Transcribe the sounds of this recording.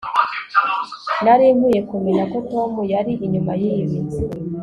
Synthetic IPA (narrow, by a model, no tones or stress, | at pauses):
naɾiːmuje̞kumeɲako̞to̞mujaɾiʔiɲumajiwi